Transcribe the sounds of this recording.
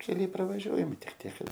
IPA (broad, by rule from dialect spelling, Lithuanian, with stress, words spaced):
kʲɛˈlʲɛɪ prɐʋɐˈʒʲuɔjɛmʲɪ ˈtʲɪk ˈtʲiɛk ˈkɐt